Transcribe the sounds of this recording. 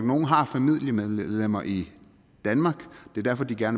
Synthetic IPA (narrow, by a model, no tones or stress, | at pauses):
ɡ̥no̝ːn̩ɦɑ̈fæmið̞̰ˠliəmeðˠðˠlem̰ɐʔi | d̥ænmɑ̈ːɡ̥d̥e̝æɐd̥æɐfɒ̽d̥iɡ̥æɐn